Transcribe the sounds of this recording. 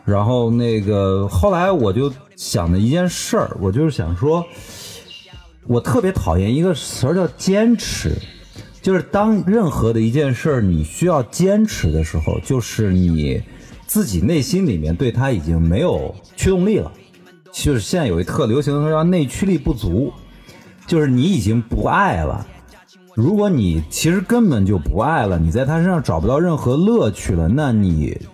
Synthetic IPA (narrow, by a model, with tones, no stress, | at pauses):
ɻa˧˥nxo˥˧ʊne˥˩ɪɡə˩xo˥˩ʊla˧˥ɪwɔ˨˩t͡ɕjo˥˧ʊ | ɕjɑ̰˨˩ŋd̪ə˦i˥˧t͡ɕjɛ˥˧nʂə̰˞˥˩wʔɔ˨˩t͡ɕjo˥˧ʊɻ̩˥˩ɕjɑ̰˨˩ŋʂwɔ˥ | wɔ˨˩t̪ʰɤ˥˩pjɛ˧˥t̪ʰɑ˨˩ʊjɛ˥˩ni˧˥ɡə˧t͡st͡ɕjɑ˥˩ʊt͡ɕjɛ˥nʈ͡ʂ̩ʰ˧˥ | t͡ɕjo˥˧ʊʂɻ̩˥˩t̪ɑ˥ŋɻə˥˩nxɤ˧˥d̪ə˧i˧˥t͡ɕjɛ˥˧nʂə˞˥˩ni˨˩ɕy˥jɑ˥˩ʊt͡ɕjɛ˥nʈ͡ʂʰɻ̩˧˥d̪ə˧ʂɻ̩˧˥xo̰˧ʊt͡ɕjo˥˧ʊʂɻ̩˥˩nḭ˨˩˦t͡sɹ̩˥˩t͡ɕi˨˩ne˥˩ɪɕi˥nli˨˩mjɛ˥˧nt̪we˥˩ɪa˥i˨˩t͡ɕi˥ŋme˧˥ɪjo˨˩ʊt͡ɕʰy˥˧ʊ˥˧ŋli˥˩lə̰˩˥ | o˥˧ʂɻ̩˥ɕjɛ˥˧n˥˩jo˨˩i˧˥t̪ʰɤ˥˩ljo˧˥ʊɕ̬i˧˥ŋə˧˥˧ne˥˩ɪt͡ɕʰy˥li˥˧pu˥˩t͡su˧˥ | t͡ɕjo˥˧ʊʂɻ̩˥˩ni˧˥i˨˩t͡ɕi˥ŋpṵ˧˥ʔa˥˩ɪlə̰˩ | ɻu˧˥kwɔ˧˥ni˨˩t͡ɕʰi˧˥ʂɻ̩˧˥kə˥npə˨˩nt͡ɕjo˥˩ʊpu˧˥a˥˩ɪlə˩ni˨˩t͡sa˥˩ɪt̪ʰa˥ə˥ʂɑ˥˩ŋʈ͡ʂɑ˨˩ʊpu˥t̪ɑ˥˧ʊɻə˥˩nxɤ˧˥lɤ˥˧t͡ɕʰy˥˩lə˩na˥˩nḭ˨˩˦